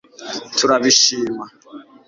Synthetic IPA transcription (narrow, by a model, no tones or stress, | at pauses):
tʰuɾaβiʃiːma